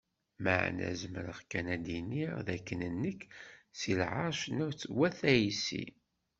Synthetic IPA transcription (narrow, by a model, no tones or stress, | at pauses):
mə̰ʕ̰næ̰zməɾəʁkːænæd̪iniʁðækːənənːəkːsilʕɑɾˤʃnæwt͡sːwæθæjisḭ